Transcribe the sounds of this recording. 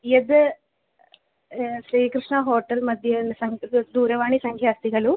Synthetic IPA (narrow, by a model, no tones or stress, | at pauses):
jed̪ | ʃɾiːkɾɪʂɳɐɦoːʈːɐlmɐd̪ʱjɐsɐŋd̪uːɾɐʋaːɳisɐŋkʰjaːst̪iɡɐɭu